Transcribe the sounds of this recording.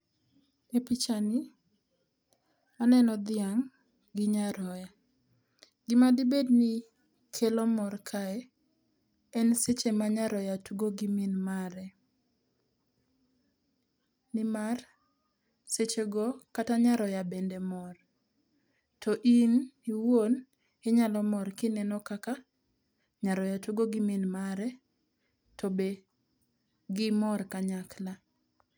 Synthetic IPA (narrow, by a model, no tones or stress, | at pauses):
epit͡ʃani | anɛnɔd̪ɪaŋ | ɡɪɲaɾɔja | ɡɪmadibedni | kʰelɔmɔrkʰaɛ | ɛnset͡ʃemaɲaɾɔjatuɡoɡiminmaɾɛ | nɪmar | set͡ʃeɡɔkataɲaɾɔjabɛndɛmɔr | tɔʔiniwon | ɪɲalɔmɔrkɪnɛnɔkaka | ɲaɾɔjatuɡoɡɪminmaɾɛ | tɔbe | ɡɪmɔrkaɲakla